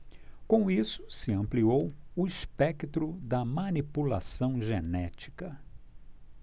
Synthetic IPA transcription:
kõw̃isʊ̥sɪɐ̃mpliowʊispɛkt̪ɾʊd̪ɐmɐ̃nipula̰sɐ̃w̃ʒenɛt͡ʃi̥kɐ

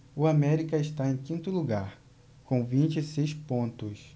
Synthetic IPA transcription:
ʊamɛɾikɐɪʃt̪aẽj̃kĩnt̪ʊluɡaɾ | kõw̃vĩt͡ʃisejspõnt̪ʊs

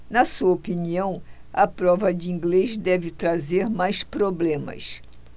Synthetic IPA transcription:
nɐsuɐopiniɐ̃w̃ɐpɾɔvɐd͡ʒɪĩŋɡlezd̪ɛvɪt̪ɾazeɾmajspɾoblẽmɐ̰s

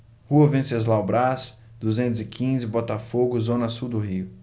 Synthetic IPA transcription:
huɐvẽsɐzlawbɾas | d̪uzẽnt̪ʊzɪkʰĩzɪbɔt̪afoɡʊzõnɐsuwd̪ʊhiʊ

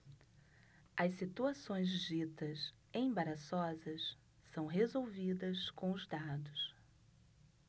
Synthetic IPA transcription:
ɐssit̪uasõj̃zd͡ʒit̪ɐs | ẽj̃baɾasɔzɐs | sɐ̃w̃ɦezowvid̪ɐskõw̃ʊzd̪ad̪ʊs

